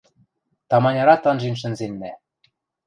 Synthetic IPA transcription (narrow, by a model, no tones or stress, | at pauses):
t̪ɑmɑnʲɑɾɑt̪ɑnʒenʃ̬ɘ̆nzenːæ